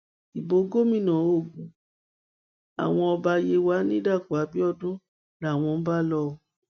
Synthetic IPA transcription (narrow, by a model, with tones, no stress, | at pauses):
i˨bo˨˦ɡo˦mĩ˦˨nã˨˦o˦˨ɡũ˨ | a̰˨w̃ɔ̃˧ɔ˧ba˧je˧wa˨˦nĩ˦da˦˨ku˨a˨˦bi˦ɔ˦˨dõ˦ | la˦˨w̃ɔ̃˧m̩˦ba˦lɔ˧˦